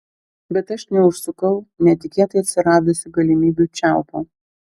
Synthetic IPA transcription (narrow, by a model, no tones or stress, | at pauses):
bʲɛt̪ɐʃnʲɛʊʃsʊkɐʊnʲɛt̪ʲɪkʲeːt̪ɐɪɐt̪ʲsʲɪɾɑːd̪osʲɪɡɐlʲɪmʲiːbʲuːt͡ʃʲæˑʊpo̰